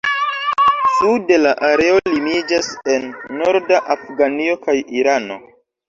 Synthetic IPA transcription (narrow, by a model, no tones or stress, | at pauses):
sude̞laʔaɾe̞olimid͡ʒase̞nːo̞ɾdaʔafɡanio̞kajiɾano̞̰